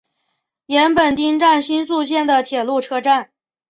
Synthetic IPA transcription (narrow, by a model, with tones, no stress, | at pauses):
jɛ˧˥npə˨˩nt̪i˥ŋʈ͡ʂa˥˩nɕi˥nsu˥˧ɕ̬jɛ˥˩nd̪ə˩t̪ʰjɛ˨˩lu˥˩ʈ͡ʂʰɤ˥ʈ͡ʂa˥˩n